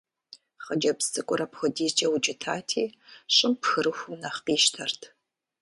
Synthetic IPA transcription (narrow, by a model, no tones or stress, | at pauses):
χəd͡ʒɐpstʼɨkʷʼʊɾɐpxʷʊdiːzd͡ʒʼɐwʊd͡ʒɪtʰaːtʰḭːɕʼɪmpxɨɾɨxʷʊnɐχqiːʃtʰɐrtʰ